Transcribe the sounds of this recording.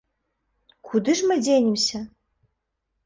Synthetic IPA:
kʰud̪ɨʐmɨdʲenʲɪmsʲɐ

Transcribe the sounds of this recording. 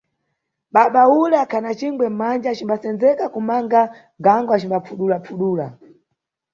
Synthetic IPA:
ɓaɓaulakʰanat͡ʃiŋɡwɛm̩mand͡ʒat͡ʃimbasɛnd͡zɛkakumaŋɡa | ɡaŋɡwat͡ʃimbap͡fuɗulapuɗuːla

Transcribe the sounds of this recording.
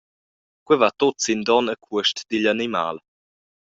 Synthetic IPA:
kwɛvat̪ot͡sind̪ɔnəkʰuəʃtd̪iʎanima̰ːl

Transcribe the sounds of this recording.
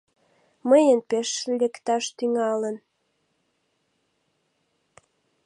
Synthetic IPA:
məjənpeʃlʲekt̪ɑʃt̪yŋɑlən

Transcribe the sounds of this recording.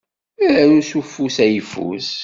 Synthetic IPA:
iɾænusufːusæjəfṵs

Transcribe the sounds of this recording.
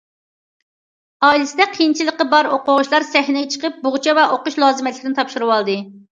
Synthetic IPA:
ɑilɪsɪd̪ɛqʰijnt͡ʃʰilˠəqːəbɑɾoqʊʁʊʃlˠɑɾsɛɦnɪjt͡ʃʰə̥qəp̚bʊʁt͡ʃʰɛvɛʔoqʊʃlˠɑːzɨmɛt̪lʲɪkʲɪnɪt̪ɑpʃuɾɨwɑlˠd̪ɨ

